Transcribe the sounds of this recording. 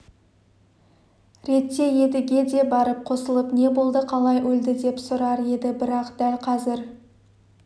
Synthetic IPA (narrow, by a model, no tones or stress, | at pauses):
ɾe̞t̪ːe̞je̞d̪ɪɡʲe̞d̪e̞bɑɾəp̚qʰo̞səlˠəpne̞bo̞lˠd̪əqʰɑlˠɑjʔɵld̪ɪd̪e̞psʊɾɑɾe̞d̪ɪbɪɾɑqd̪̥ælqʰɑzɪɾ